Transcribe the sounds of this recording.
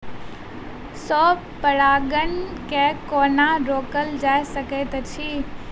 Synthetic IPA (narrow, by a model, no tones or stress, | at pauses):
sɔː | pəɽaːɡənkekoːnaɾoːkəld͡ʒaːesəket̪ɐt͡ʃʰiː